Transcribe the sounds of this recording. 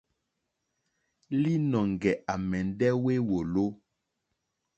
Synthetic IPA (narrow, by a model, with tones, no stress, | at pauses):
li˦nɔ˨ŋ˨ɡɛ˨ʔa˨mɛ˨n˦dɛ˦we˦wo˨lo˦